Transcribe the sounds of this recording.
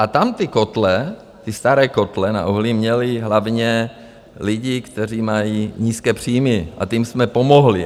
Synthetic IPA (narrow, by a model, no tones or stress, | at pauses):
ʔat̪amt̪ɪkot̪lɛ | t̪ɪst̪aɾɛːko̞t̪lɛna̰ʔuɦlimɲɛliɦlavɲɛ | lɪɟikt̪ɛriːmajiːɲiːskɛːpr̝̥iːmɪʔa̰t̪imsmɛpomoɦli